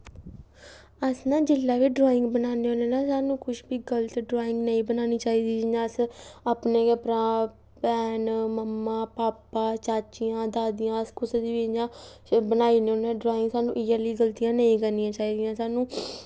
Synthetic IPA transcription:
əsnãːd͡ʒɪlːaːʋiːɖɾoːɪ̃ŋɡbənaːneɦõːneːnãːsaːnũːkʊʃbiːɡəlt̪ɖɾaːɪ̃ŋɡnəĩːbənaːniːt͡ʃaːiːd̪iːd͡ʒãːəsaːpneːkepɾãː | pɛːnməmːaːpaːpaːt͡ʃaːt͡ʃijãːd̪aːd̪ɪjãːəskʊsd̪iːʋiːd͡ʒãːbənaːiːneõːneãːɖɾaːɪ̃ŋɡsaːnũːʔɪd͡ʒəliːɡəlt̪ijãːnəĩːkənːijãːt͡ʃaːiːd̪ijãːsaːnũː

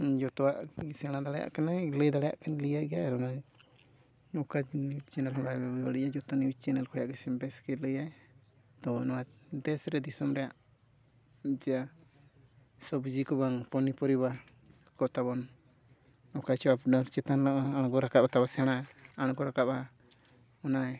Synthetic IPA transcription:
d͡ʒɔt̪ɔwaʔɡisɛɽ̃ad̪alɛja̰ʔkanaləjd̪alɛja̰ʔkanlijaɡɛjaɛɾɔna | ɔkaniwit͡ʃɛnalɔbajbɛbɛbaɽiʔad͡ʒɔt̪ɔniwit͡ʃɛnalkʰɔjaʔɡisimbɛskɛləjaj | t̪ɔbɔnwad̪ɛsɾɛd̪isɔmɾɛjaʔ | d͡ʒɛja | sɔbud͡ʒikɔβaŋpɔnipɔɾiba | kɔt̪aβɔn | ɔkat͡ʃɔapnɔt͡ʃɛt̪anlaʔaaɽ̃ɡɔɾakap̚at̪abasɛɽ̃aaɽ̃ɡɔɾakap̚a | ɔnaj

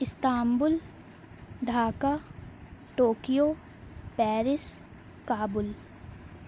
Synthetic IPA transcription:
ɪst̪aːmbʊl | ɖʱaːka | ʈoːkijoː | pɛːɾɪs | kaːbʊl

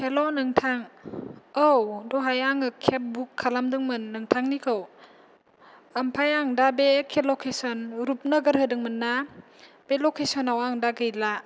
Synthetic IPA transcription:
kʰelɔnɯŋtʰaŋ | owdɔɦajaŋɯkʰep̚bukʰːalamdɯŋmɯnːɯŋtʰaŋnikʰɯw | ampʰajaŋdabekʰelokʰesɔnɾup̚naɡɯɾɦɯdɯŋmɯnːa | b̥elokʰesɔnawaŋdaɡɯjla

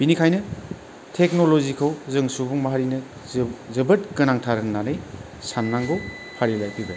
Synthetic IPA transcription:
b̥inikʰajnɯ | tʰek̚nolozikʰɯwzɯŋsubuŋmaɦaɾinɯ | zɯbɯt̚kɯnaŋtʰaɾɯŋnanɯj | sanːaŋɡow | pʰaɾilajpiɡɯ

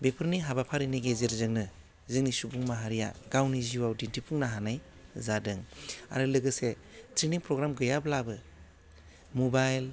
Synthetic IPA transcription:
bepʰɯɾniɦabapʰaɾiniɡezeɾzɯŋnɯ | zɯŋnisubuŋmaɦaɾija̰ɡ̥awniziwawdintipʰuŋnaɦanaj | zadɯŋa̰ɾɯlɯɡɯse | tɾiniŋpɾɔɡɾamɡɯjablabɯ | mobajl

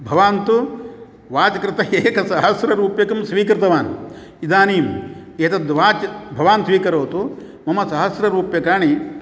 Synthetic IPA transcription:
bʱɐʋaːnt̪u | ʋaːt͡ʃɐkɾɪt̪ɐeːkɐsɐɦɐsɾɐɾuːpjɐkɐmsʋiːkɾɪt̪ɐʋaːn | id̪aːniːmeːt̪ɐd̪ʋaːt͡ʃbʱɐʋaːnt̪ʋiːkɐɾoːt̪u | mɐmɐsɐɦɐsɾɐɾuːpjɐkaːɳi

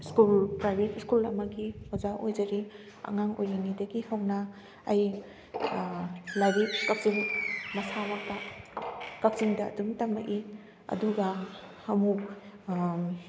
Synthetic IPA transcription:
skulpɾajbʱetskulɐ̰mɐɡihɔzaʔojzɐɾi | ɐ̰ŋaŋojlinidɐɡihawnɐː | j | lajbip̚kak̚ziŋmɐsawak̚ta | kak̚ziŋdɐ̰ːdumtɐmɐʔi | ɐ̰duɡa | ɐmu

